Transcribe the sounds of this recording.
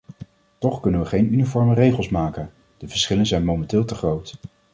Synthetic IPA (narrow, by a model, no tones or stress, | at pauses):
tɔχkɵnənʋəχejnynifɔɹmərejχəlˠsmaːkən | d̥əvəɹsχɪlənzɛjnmowmɛntɪːlˠtəχrowt